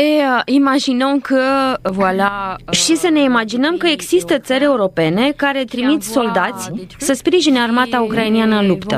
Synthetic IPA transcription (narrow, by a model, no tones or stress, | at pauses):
eimaʒinəmkəvwalaʃisəne̞imad͡ʒinəmkəe̞ɡzist̪ət̪səɾʲe̞uɾo̞pe̞ne̞kaɾe̞t̪ɾimit̪so̞ld̪at̪sʲsəspɾiʒinəarmat̪aukɾainianəɨlupt̪ə